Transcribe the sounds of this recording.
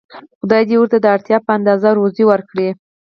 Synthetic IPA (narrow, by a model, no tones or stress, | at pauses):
xʊd̪ɑjd̪ewuɾt̪ad̪əaɽt̪jɑpəand̪ɑzaɾoziwəɾkɽi